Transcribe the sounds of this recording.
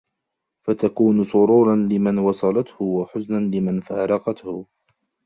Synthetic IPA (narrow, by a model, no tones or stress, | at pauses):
fat̪akuːnʊsˤʊɾuːɾˤɑnlɪmanwɑsˤɑlɑt̪hʊwaħʊznanlɪmanfaːɾˤɑqɑt̪hʊ